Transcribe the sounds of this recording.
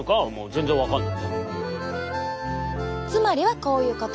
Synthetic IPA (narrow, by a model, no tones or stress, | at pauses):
kamo̰ːzẽ̞nzẽβakanː | t͡sɨmaɾʲiβako̞ːjɯ̟ːkot̪